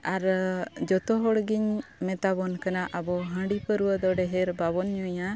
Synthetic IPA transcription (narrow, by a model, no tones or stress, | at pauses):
aɾd͡ʒɔt̪ɔɦɔɽɡiɲmɛt̪abɔnkanaʔabɔɦə̃ɖipəɾuwəd̪ɔɖɛɦɛɾbaβɔnɲuja